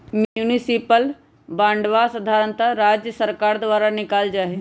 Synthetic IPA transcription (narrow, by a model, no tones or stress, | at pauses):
munisipəl | bãːɳɖʋasɐd̪ʱaːɾə̃nt̪aɾaːd͡ʒjəsəɾkaːɾd̪ʋaːɾanɪkaːld͡ʒaːɦe